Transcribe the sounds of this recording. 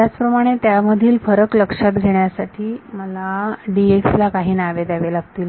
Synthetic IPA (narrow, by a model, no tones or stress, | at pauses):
t̪jat͡spɾəmaɽ̃et̪jaməd̪ʱiːlfəɾəkləkʂat̪̚ɡʱeɳjasaʈʰiːməlaɖiekslakaɦiːnaʋed̪aʋelak̚t̪iːl